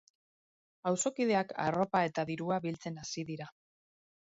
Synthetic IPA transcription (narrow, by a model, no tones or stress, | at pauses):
awso̞kiðe̞aka̰ro̞pae̞t̪aðiɾuaβilt͡se̞nasiðiɾa